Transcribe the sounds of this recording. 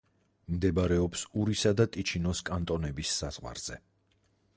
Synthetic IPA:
md̪ɛbaɾɛɔpsuɾisad̪at̪ʼit͡ʃʰinɔskʼant̪ʼɔnɛbisːaz̥ʁwa̰ɾz̥ɛ̰

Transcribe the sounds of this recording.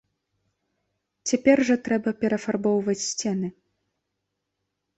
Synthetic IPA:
t͡sʲapʲɛrʐɐt̪ɾɛbɐpʲɛɾɐfarbɔwvɐt͡sʲsʲt͡sʲɛnɨ

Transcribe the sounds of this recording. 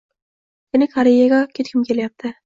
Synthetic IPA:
jenɪkʰaɾejaɡʲakʲʰet̪kʲɪmkʲelajap̚t̪ʰɪ

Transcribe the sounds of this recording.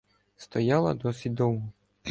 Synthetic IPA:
st̪ɔjɑlˠɐ̰d̪ɔsʲitʲd̪ɔwɦɔ

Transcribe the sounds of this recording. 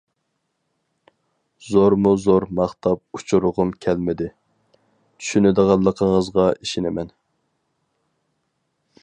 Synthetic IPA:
zoɾmuzoɾmɑχt̪ʰɑp̚ut͡ʃʰuɾʊʁʊmkʲʰælmɪd̪ɪ | t͡ʃ̪ʰy̥ʃynɪd̪əʁɑnlˠːəqʰəɴəzʁɑʔiʃinɪmɛn

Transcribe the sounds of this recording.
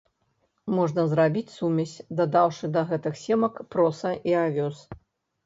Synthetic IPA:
mɔʐnɐzrabʲit͡sʲsumʲɐsʲd̪ɐd̪awʂɨd̪ɐɣɛt̪ɨxsʲɛmɐkpɾɔsɐʔiavʲɔs

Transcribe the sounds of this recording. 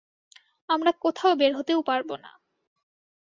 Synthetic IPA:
amɾakot̪ʰaobeɾɦot̪epaɾbona̰

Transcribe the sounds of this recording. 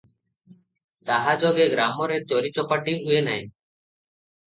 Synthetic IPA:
d̪aːɦad͡ʒoːɡeɡɾaːmoɾet͡ʃoːɾitopaʈiɦuenaẽ

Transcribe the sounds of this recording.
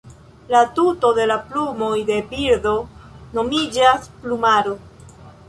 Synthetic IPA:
latuto̞de̞laplumo̞jde̞biɾdo̞no̞mid͡ʒasplumaɾo̞

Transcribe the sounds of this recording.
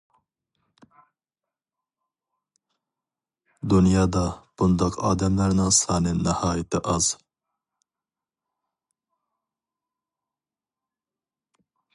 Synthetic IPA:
d̪unjɑːd̪ɑb̥und̪ɑqʰɑ̰ːd̪ɛmlæɾnɨsɑːnɪnːəhɑːjt̪ʰɪʔɑz

